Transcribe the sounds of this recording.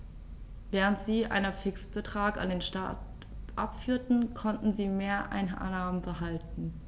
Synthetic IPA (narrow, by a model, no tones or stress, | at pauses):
vɛːʁ̞əntz̥iːʔa̰ɪnɐfɪksb̥ətʁ̥aːka̰ndeːnʃta̰t | ʔa̰pfyːɐtn̩kʰɔntn̩ziːmeːɐʔa̰ɪn̰naːmənbəɦaltn̩